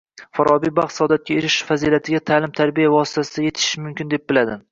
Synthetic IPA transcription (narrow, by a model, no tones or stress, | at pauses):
faɾɒbijbɑχt̪sɒd̪at̪̚kʲaeɾɪʃfazilat̪ʰɪɡʲat̪ʰaːlɪmt̪ʰaɾbijavɒsɪ̥t̪ʰasɪd̪aje̞t̪ʰɪ̥ʃɪmʊmkʲɪnd̪e̞p̚bɪlad̪ɪ